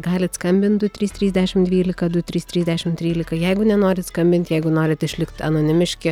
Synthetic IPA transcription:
ɡɑːlʲɪt̪skɐmʲbʲɪnt̪d̪ʊt̪ʲɾʲiːst̪ʲɾʲiːzʲd̪ʲæʃʲɪmd̪ʲʋʲiːlʲɪkɐd̪ʊt̪ʲɾʲiːst̪ʲɾʲiːzʲd̪ʲæʃʲɪmt̪ʲɾʲiːlʲɪkɐjɛɪɡʊnʲɛnoːɾʲɪt̪skɐmʲbʲɪnt̪ʲjɛɪɡʊnoːɾʲɪt̪ɪʃʲlʲɪkt̪ɐnoːnʲɪmʲɪʃʲkʲɪ

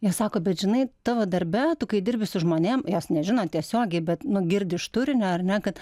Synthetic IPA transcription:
joːssɑːkoːbʲɛt̪ʒʲɪnɐɪt̪ɑːʋoːd̪ɐɾʲbʲɛt̪ʊkɐɪdʲɪrʲbʲɪsʊʒmoːnʲeːmjoːsnʲɛʒʲɪnoːt̪ʲiɛsʲoːɡʲɛɪbʲɛt̪nʊɡʲɪrʲdʲɪʃt̪ʊɾʲɪnʲɛɐrnʲɛkɐt̪

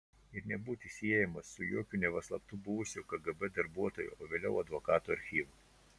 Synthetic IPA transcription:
ɪɾnʲɛbuːt̪ʲisʲiɛjɛmɐsːʊjuɔkʲuːnʲɛʋɐslˠɐpt̪ʊbʊʋʊsʲʊkɐɡɐbɛd̪ɐɾbuɔt̪oːjṵːoːʋʲeːlʲɛʊɐd̪ʋokɑːt̪uːɐɾʲxʲiːʋʊ

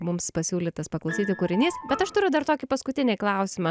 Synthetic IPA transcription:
mʊmspɐsʲuːlʲɪt̪ɐspɐklˠɐʊsʲiːt̪ʲɪkʊɾʲɪnʲiːsbʲɛt̪ɐʃt̪ʊɾʲʊd̪ɐɾt̪oːkʲɪpɐskʊt̪ʲɪnʲeːklˠɐˑʊsʲɪmɐ

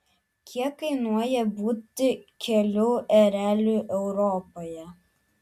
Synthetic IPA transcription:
kʲʰiɛkːɐɪnuɔjɛbuːt̪ʲɪkʲɛlʲʊːʔɛɾʲæːlʲuʔɛʊɾɔːpoːjɛ

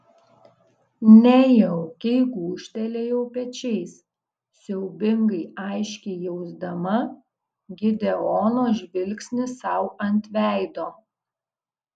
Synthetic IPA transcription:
nʲɛjɛʊkʲɛɪɡuːʃʲt̪ʲɛlʲeːjɛʊpʲɛt͡ʃʲɛɪs | sʲɛʊbʲɪŋɡɐɪɑɪʃʲkʲɛɪjɛʊzd̪ɐmɐ | ɡʲɪd̪ʲɛɔːnoːʒʲʋʲɪlʲksʲnʲɪsɑˑʊɐnʲt̪ʲʋʲæˑɪd̪oː

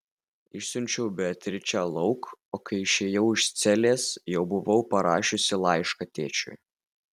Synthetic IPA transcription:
ɪʃsʲʊnʲt͡ʃʲɛʊbʲɛt̪ʲɾʲɪt͡ʃʲælˠɒʊkoːkɐɪɪʃʲeːjɛʊɪʃst̪sʲɛlʲeːsjɛʊbʊʋɒʊpɐɾɑːʃʲʊsʲɪlˠɑɪʃkɐt̪ʲeːt͡ʃʲʊ̰j

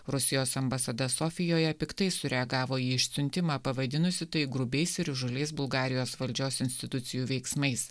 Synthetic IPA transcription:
ɾʊsʲɪjoːsɐmbɐsɐd̪ɐsoːfʲɪjoːjɛpʲɪkt̪ɐɪsʊɾʲɛɐɡɑːʋoːiːɪʃʲsʲʊnʲt̪ʲɪmɑːpɐʋɐd̪ʲɪnʊsʲɪt̪ɐɪɡɾʊbʲɛɪsɪɾʒʊlʲeɪs̬bʊlˠɡɑːɾʲɪjoːsʋɐlʲd͡ʒʲoːsɪnʲsʲt̪ʲɪt̪ʊt̪sʲɪjuːʋʲɛɪksmɐɪs

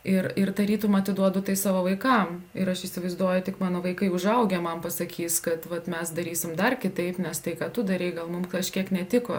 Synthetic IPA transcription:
ɪɾɪrt̪ɐɾʲiːt̪ʊmɐɐt̪ʲɪd̪uɔd̪ʊt̪ɐɪsɑːʋoːʋɐɪkɐmɪɾɐʃiːsʲɪʋɐɪzd̪uɔjʊtʲɪkmɑːnoːʋɐɪkɐɪʊʒɐʊɡʲɛmɐmpɐsɐkʲʰiːskɐt̪ʋɐt̪mʲɛsd̪ɐɾʲiːsʲɪmd̪ɐrkʲɪt̪ɐɪpnʲɛst̪ɐɪkɑːt̪ʊd̪ɐɾʲɛɪɡɐlˠmʊmkˠɐʃʲkʲiɛknʲɛt̪ʲɪkoː

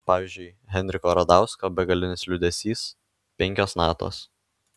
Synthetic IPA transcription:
pɑːʋʲiˑɪːzʲd͡ʒʲʊɪɦʲɛnʲɾʲɪkoːɾɐd̪ɑˑʊskoːbʲɛɡɐlʲɪnʲɪslʲʊd̪ʲɛsʲiːs | pʲɛŋʲkʲoːsnɑːt̪o̰ːs

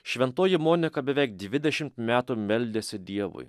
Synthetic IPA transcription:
ʃʲʋʲɛnt̪oːjɪmoːnʲɪkɐbʲɛʋʲɛɪk̚d̪ʲʋʲɪd̪ʲɛʃʲɪmt̪mʲæːt̪uːmʲɛlʲd̪ʲeːsʲɪd̪ʲiɛʋʊ̰ɪ

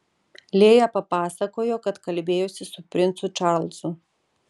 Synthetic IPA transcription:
lʲeːjɐpɐpɑːsɐkoːjoːkɐt̪kɐlʲbʲeːjosʲɪsʊpʲɾʲɪnt̪sʊt͡ʃɑɾlʲˠsʊ

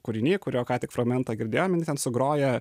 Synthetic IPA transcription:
kʊɾʲɪnʲeːkʊɾʲoːkɑːt̪ʲɪkfɾɐɡmʲɛnt̪ɐːɡʲɪɾʲd̪ʲeːjoːmʲjɪnʲt̪ʲɛnsʊɡɾoːjɛ

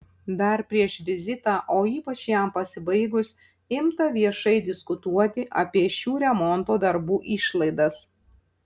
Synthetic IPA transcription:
d̪ɐɾpʲɾʲiɛʃʋʲɪzʲɪt̪aːʔoːiːpɐt͡ʃjæmpɐsʲɪbɐɪɡʊsʲ | ɪmt̪ɐʋʲiɛʃɐɪd̪ʲɪskʊt̪uɔt̪ʲɪʔɐ̰pʲiɛʃʲuːɾʲɛmɔnt̪oːd̪ɐɾbuːʔiːʃlˠɐɪd̪ɐs

